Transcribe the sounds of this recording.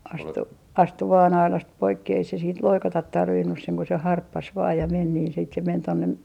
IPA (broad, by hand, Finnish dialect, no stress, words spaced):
ɑstu ɑstu ʋɑːn ɑilɑst poikːi ei se siːnt loikɑtɑt tɑrʋinːus seŋ ko se hɑrpːɑs ʋɑː jɑ men niːn sit se men tonːe